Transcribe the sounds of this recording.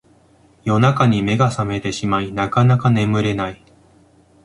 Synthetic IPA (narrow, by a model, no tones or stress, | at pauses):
jo̞nakaɲ̟ime̞ɡasame̞t̪e̞ɕimainakanakane̞mɯ̟ɾe̞nai